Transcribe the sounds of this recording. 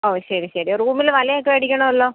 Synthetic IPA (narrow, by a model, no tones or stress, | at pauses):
oːɕɐɾiɕɐɾioruːmilʋɐlɐjokːeɐɽikʲːɐɳɐʋɐlːo̞ː